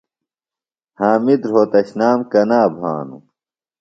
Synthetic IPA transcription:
haːmid̪ɾɦoːt̪ɐɕnaːmkɐnaːbʱa̰ːnṵ

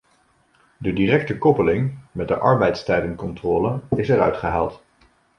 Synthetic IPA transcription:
dədirɛk̚təkɔpəlɪŋmɛd̚dəʔɑ̰ɹbɛjtstɛjdənkɔntrɔːlənɪsɛɾœɥtχəɦa̰ːlˠt

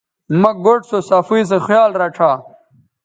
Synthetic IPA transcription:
mɐɡoʈsosɐfiːs̬exjaːlɾɐʈ͡ʂʰaː

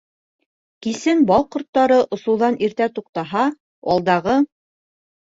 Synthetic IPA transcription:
kisɘnbɑlˠqŏɾt̪ːɑɾɤʔŏsŭwðɑniɾt̪æt̪uq̚t̪ɑɦɑ | ɑlˠd̪ɑʁɤ

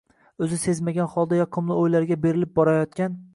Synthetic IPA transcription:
ɵzɪse̞zmaɡʲanχɒlˠd̪ajɒqʰɨmlˠɪojlaɾɡʲabe̞ɾɪlɪp̚bɒɾajɒt̪̚kʲan

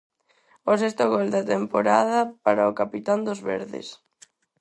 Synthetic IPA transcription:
os̬ɛst̪ʊɣɔld̪ɐt̪empoɾaðɐpaɾaokapit̪and̪ozβḛɾðɪ̰s

